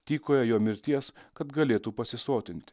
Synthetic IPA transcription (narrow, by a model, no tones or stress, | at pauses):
t̪ʲiːkoːjɛjoːmʲɪɾʲt̪ʲiɛskɐt̪ɡɐlʲeːt̪uːpɐsʲɪsoːt̪ʲɪnʲt̪ʲ